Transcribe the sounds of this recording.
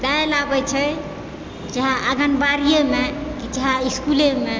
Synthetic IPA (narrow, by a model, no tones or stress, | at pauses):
d̪ɛelabɛt͡ʃʰɛ | d͡ʒəɦãʔəɡənbaɾijemekid͡ʒəɦãiskuleme